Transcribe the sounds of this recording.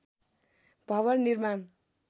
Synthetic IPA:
b̥ʱʌβʌnnirman

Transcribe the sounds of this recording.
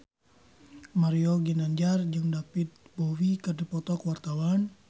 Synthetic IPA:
maɾioɡinaɲd͡ʒard͡ʒɨŋdapit̪̚bɔwikɨrdipɔt̪ɔkwart̪awan

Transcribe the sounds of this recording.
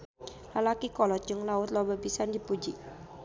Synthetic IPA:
lalakikɔlɔt̪̚d͡ʒʊŋlaʊt̪lɔbabisand̪ipud͡ʒi

